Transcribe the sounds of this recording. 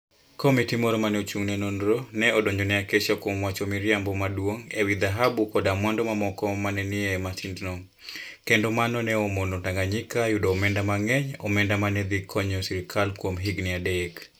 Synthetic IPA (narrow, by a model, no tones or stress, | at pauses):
kɔmitimɔɾomanɛot͡ʃuŋnɛnonɾonɛɔdoɲɔnɛaket͡ʃakwomwat͡ʃomiɾjambɔmadwoŋewid̪aɦabukɔdamwandɔmamɔkɔmanɛnɪɛmasindnɔ | kendomanɔnɛomonotaŋɡaɲikajudɔːmɛndamaŋɛɲɔ̰mɛndamanɛd̪ikʰɔɲɔsiɾikʰalkwomɦiɡnɪadek